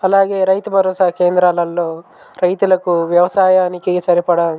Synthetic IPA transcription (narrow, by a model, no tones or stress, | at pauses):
ɐlaːɡe̞ːɾɐjt̪ubʱɐɾoːsaːke̞ːnd̪ɾalɐlːoː | ɾɐjt̪ulɐkuʋjɐʋɐsaːjaːnikiɡɐsɐɾipɐɽɐ